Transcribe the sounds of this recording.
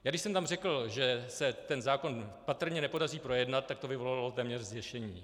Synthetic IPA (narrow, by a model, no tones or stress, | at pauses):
jaːɡdɪʃsɛmt̪amrɛkl̩ʒɛsɛt̪ɛnzaːko̞npat̪r̩ɲɛnɛpo̞dariːpɾo̞jɛdnat̪̚ːakt̪o̞vɪvo̞laalo̞t̪ɛːmɲɛrzjɛʃɛɲiː